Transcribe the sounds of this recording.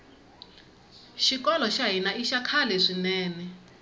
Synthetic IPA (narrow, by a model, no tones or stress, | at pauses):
ʃikɔlɔʃaɦinaʔiʃakʰalɛʂinɛːnɛ